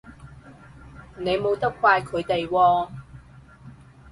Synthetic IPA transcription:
ne˨˧jmo˨˧wt̪ɐ˥kʰwaː˧jkʰɵ˨˧ɥt̪e˨jwɔː˧

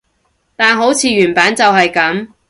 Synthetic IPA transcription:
t̪aː˨nɦo˨˥wt͡sʰiː˨˧ɥyː˨˩npaː˨˥nt͡sɐ˨wɦɐ˨jkɐ˨˥m

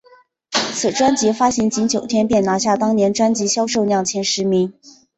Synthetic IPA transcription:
t͡sʰɹ̩˨˩ʈ͡ʂwa˥nt͡ɕi˧˥fa˥ɕi˧˥nt͡ɕi˧˥nt͡ɕjo˨˩ʊt̪ʰjɛ˥npjɛ˥˩nna˧˥ɕja˥˩t̪ɑ˥ŋnjɛ˧˥nʈ͡ʂwa˥nt͡ɕi˧˥ɕjɑ˥ʊʂo˥˧ʊnjɑ˥˩ŋt͡ɕʰjɛ˥nʂɻ̩˧˥mi˧˥ŋ

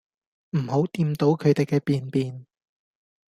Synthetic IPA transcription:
m̩˨˩ho˨˥wt̪iː˧mt̪o˨˥wkʰɵ˨˧ɥt̪e˨˩jkɛː˧piː˨˧npiː˨n

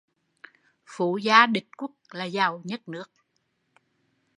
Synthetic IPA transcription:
fu˧˩˦zaː˧ɗï˨˩k̚kʊ˦˥ək̚laː˨˩zaː˨˩wɲə˦˥t̚nɨ˦˥ək̚

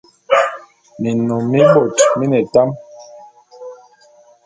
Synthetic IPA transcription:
mi˨nɔ˨mi˦ɓo˨tmi˦nɛ˨ta˦m

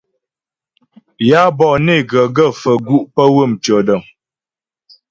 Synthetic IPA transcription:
ja˦bɔ˨ne˦˨ɡə˨ɡə˦˨fə˨ɡu˦ʔpə˦wə˦˨mt͡ʃɔ˨də˨ŋ

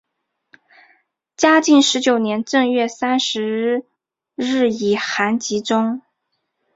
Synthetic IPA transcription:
t͡ɕja˥t͡ɕi˥˩nʂɻ̩˧˥t͡ɕjo˨˩ʊnjɛ˧˥nʈ͡ʂɤ˥˧ŋɥɛ˥˩sa˥nʂɻ̩˧˥ | ɻɻ̩˥˩i˨˩xa˧˥nt͡ɕi˧˥ʈ͡ʂʊ˥ŋ

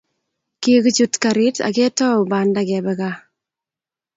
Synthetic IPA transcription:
ki˦ki˦t͡ʃutkaɾi˦ta̰˨ke˦tɔ˦uba˨ndakɛbɛka˦

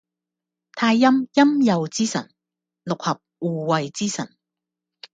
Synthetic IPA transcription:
t̪ʰaː˧jːɐ˥mjɐ˥mjɐ˨˧wt͡siː˥sɐ̰˨˩n | lʊ˨k̚hɐ˨p̚uː˨˧wɐ˨jt͡siː˥sɐ̰˨˩n

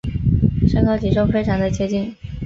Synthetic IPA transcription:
ʂə˥ŋkʰɑ˥ʊt͡ɕʰi˨˩ʂo˥ʊfe˥ɪʈ͡ʂʰɑ˧˥ŋd̪ə˧t͡ɕjɛ˥t͡ɕi˥˩n

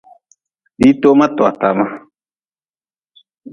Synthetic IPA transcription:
di˦to˦mã˦tɔ˨a˨ta˨ma˦

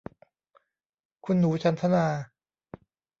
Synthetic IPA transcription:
kʰu˧nːuː˨˩˦t͡ɕʰa˧nt̪ʰa˦˥naː˧

